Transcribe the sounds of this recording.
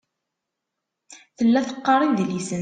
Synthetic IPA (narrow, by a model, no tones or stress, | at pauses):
θəlːæθə̥qːɑɾˤinðlisən